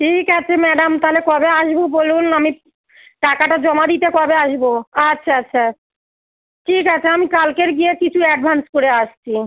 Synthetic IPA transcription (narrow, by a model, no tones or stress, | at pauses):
ʈʰikat͡ɕʰemɛɖamt̪aɦolekɔbeaʃbobolunami | ʈakaʈad͡ʑɔmad̪it̪ekɔbeaʃboatːɕʰaatːɕʰa | ʈʰikat͡ɕʰeamikalkeɾɡiekit͡ɕʰuɛɖ̚bʱanskoɾeaʃt͡ɕʰi